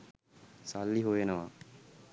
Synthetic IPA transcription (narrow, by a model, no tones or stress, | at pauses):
salːiɦujenəʋa